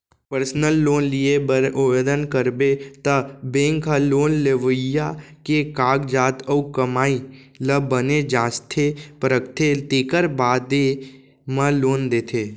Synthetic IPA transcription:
pəɾsnəlːoːnlieʊʋeːd̪ənkəɾbet̪əbẽːŋkɦəloːnleʋəjakekaːɡd͡ʒaːt̪əukəmaːi | ləbəned͡ʒaːst̪ʰepɾəkt̪ʰet̪eːkəɾbaːd̪e | mə̃loːnd̪eːt̪ʰeː

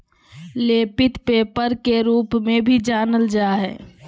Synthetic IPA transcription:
leːpɪt̪peːpəɾkeɾuːpmẽbʱid͡ʒaːnəld͡ʒaːɦɛ̰ː

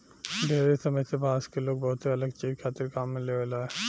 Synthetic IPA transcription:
ɖeɾesɐməjsebʱaːskeloːɡ̚bɐɦʊt̪ɦeɐləɡt͡ʃiːɾkʰaːt̪iɾkaːmːẽleʋelaɦɛ

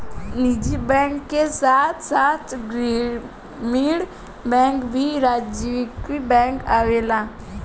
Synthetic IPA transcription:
nid͡ʒibɛ̃ːŋkːesaːt̪ʰsaːt̪ʰɡɾi | miɽ | bɛ̃ːŋkbʱiɾaːd͡ʒd͡ʒiʋɪkibɛ̃ːŋkaːʋeːlaː

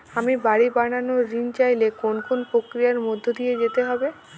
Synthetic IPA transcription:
amibaɽibaɽ̃anoɾint͡ɕajlekonkonpɾokɾijaɾmod̪ʱːod̪ijed͡ʑet̪eɦɔbe

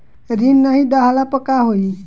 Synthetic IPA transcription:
ɾinːəɦid̪aɦalapəkaɦoi

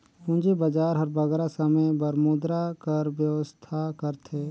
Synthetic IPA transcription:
pũnd͡ʒebəd͡ʒaːɾɦɐɾbɐɡɾasəməjbɐɾmuːd̪ɾakɐɾwjəwəst̪ʰakəɾt̪ʰeː

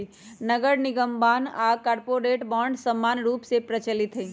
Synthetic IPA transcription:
nəɡəɾnɪɡəmbaːnaːkaːɾpoɾeːʈbaːɳɖsəmːaːnɾuːpsepɾət͡ʃəlɪt̪ɦe

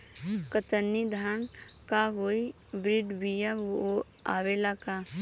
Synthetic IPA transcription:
kət̪ənːid̪ʱankaɦoːi | bɾɪɖbijao | a̰ːʋelaka

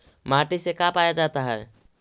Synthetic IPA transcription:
maʈisekapajad͡ʒat̪aɦɛɛ

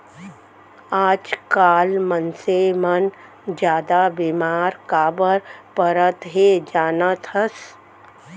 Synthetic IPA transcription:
aːd͡ʒkaːlmənsemən | d͡ʒjaːd̪abimaːɾkaːbəɾpəɾət̪ɦed͡ʒaːnət̪əs

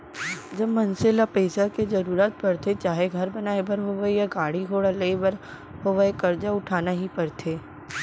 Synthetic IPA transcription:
d͡ʒɐbmɐnselapeːsakezɐɾuːɾaːt̪̚pɐɾt̪ʰet͡ʃaːɦeɡʱɐɾbɐnaːebɐɾɦoʋaejaɡaːɽiɡʱoːɽaleebɐɾ | ɦoʋaekɐɾd͡ʒaʊʈʰaːnaɦipɐɾt̪ʰeː

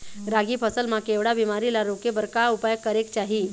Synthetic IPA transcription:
ɾaɡiːpʰəsəlmakeʋɽabimaɾilaɾokebəɾkaupajəkːəɾekt͡ɕaɦiː

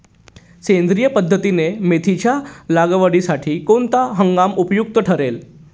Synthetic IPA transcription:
kẽnd̪ɾijəpəd̪ʱːət̪inemet̪ʰit͡ɕjalaɡəʋəɽisaʈʰiːkoɳt̪aɦəŋɡamupjuk̚t̪əʈʰəɾel

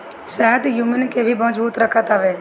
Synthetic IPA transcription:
ʃɛːɦət̪juːmənkebʱibəməd͡ʒbuːt̪ɾəkʰət̪aːʋeː

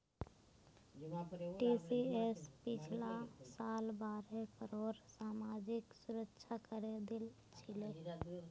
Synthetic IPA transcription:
ʈiːsiespɪt͡ʃʰlasaːlbaːɾekəɾoːɾsaːmaːd͡ʒɪksʊɾəkʃʰakəɾed̪ɪl | t͡ʃɪleː

